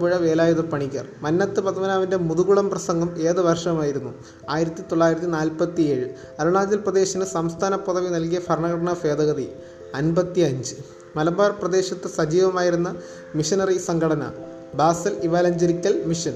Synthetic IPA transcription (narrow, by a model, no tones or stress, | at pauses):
puɻɐʋe̞ːlaːjuðɐpɐɳikʲːɐ̰rmɐnːɐt̪ːɨpɐðɐmɐnaːʋinde̞muðuɣuɭɐmprɐsɐŋɡɐme̞ːðɨʋɐrʂɐmaːjiɾunːu | aːjiɾɐt̪ːit̪oɭːaːjiɾɐt̪ːinaːlpɐt̪ːie̞ːɻɨ | ɐɾɐɳaːd͡ʑɐlprɐd̪e̞ːɕɐnɨsɐmst̪ʰaːnɐpːɐðɐʋinɐlkijɐfɐrɳɐɣɐɽɐɳɐfe̞ːd̪ɐɣɐði | ɐnbɐt̪ːiɐɲd͡ʑɨ | mɐlɐmbaːrprɐd̪e̞ːɕɐt̪ːɨsɐd͡ʑiːʋɐmaːjiɾunːɐ | miʂɐnɐrisɐŋɡʱɐɽɐnɐ̰ | baːsɐliʋaːlɐɲd͡ʑɐɾikʲːɐlmiʂɐn